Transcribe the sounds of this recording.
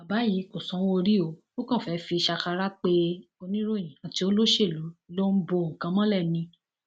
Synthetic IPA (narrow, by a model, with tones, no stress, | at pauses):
a˨ba˨˦ji˨˦ko˨sɔ̃˨˦o˧ɾi˦o˨˦ | o˦kã˦˨fɛ˨˦fi˧ʃa˧ka˧ɾa˦k͡pe˧ | o˧nĩ˦ɾo˦˨j̃ĩ˨a˨ti˨˦o˦lo˦ʃe˦˨lu˨˦i˦lo˦n̩˦bo˧˨ŋ̩˨kã˨˧˦mɔ̃˦lɛ˦˨nĩ˧